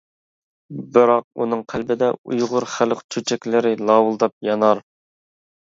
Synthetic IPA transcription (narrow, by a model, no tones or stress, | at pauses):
bɨɾɑq̚unɨŋqʰælbɪd̪ɛujʁʊɾχælqt͡ʃʰyt͡ʃʰɛkʲlɪɾɪlˠɑwulˠd̪ɑp̚jɑnɑɾ